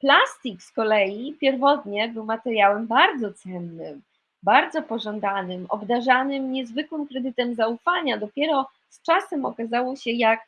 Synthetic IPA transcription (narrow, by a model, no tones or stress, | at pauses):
plast̪ikskɔlɛjipʲjɛɾvɔt̪ɲɛbɘwmat̪ɛɾʲjawɛmbaɾd̪zɔt̪sɛnːɘm | baɾd̪zɔpɔʐɔnd̪anɘmɔ̰bd̪aʐanɘmɲɛzvɘkwɘmkɾɛd̪ɘt̪ɛmzaufaɲad̪ɔpʲjɛɾɔ | st͡ʂasɛmɔkazawɔɕɛjak